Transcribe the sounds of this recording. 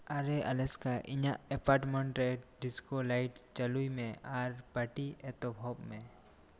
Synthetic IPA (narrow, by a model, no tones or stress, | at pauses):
aɾɛʔalɛskaʔɪɲaʔɛpaɾʈmɛɳʈɾɛɖiskolajʈt͡ʃəlujmɛ̃aɾpaʈiɛt̪ɔbʱɔbmɛ̃